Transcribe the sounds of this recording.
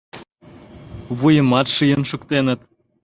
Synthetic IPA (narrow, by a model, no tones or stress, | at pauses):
βujə̆mɑt̪ʃijə̆nʃə̆kt̪enə̆t̪̚